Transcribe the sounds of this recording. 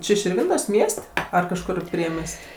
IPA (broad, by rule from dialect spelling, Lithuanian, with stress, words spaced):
ˈt͡ʃʲɪ ʃʲɪrʲˈʋʲɪntoːsʲ ˈmʲiɛsʲtʲ ˈɐr kɐʃˈkʊr ˈpʲrʲiɛmʲiɛsʲtʲ